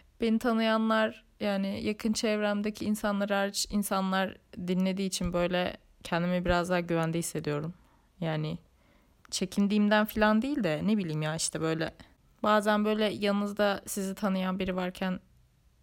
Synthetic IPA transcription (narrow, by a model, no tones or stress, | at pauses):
b̥e̞nit̪ʰanɯjanlˠaɾ | jaːnɪjakʰɯnt͡ʃʰɛvɾæmd̪ecʰiːnsanlˠaɾɯaɾt͡ʃinsanlˠaɾd̪inlʲe̞d̪iːt͡ʃʰinbø̞jlʲɛ | cʰɛnd̪imibiɾazd̪aːɟyvænd̪ɛhisːe̞d̪ijo̞ɾum | jaːnɪ | t͡ʃʰe̞cʰind̪iːmd̪ænfilʲand̪ijilʲd̪ɛnebilʲiːmjaːiʃt̪ʰɛbø̞jlʲɛ | baːzænbø̞jlʲɛjalˠnːɯzd̪asizit̪ʰanɯjanbiɾivaɾcʰæn